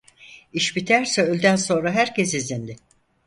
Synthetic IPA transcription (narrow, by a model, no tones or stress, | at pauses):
iʃbit̪ʰæɾsɛølʲd̪ænso̞nɾaɦæɾces̬izind̪ɪ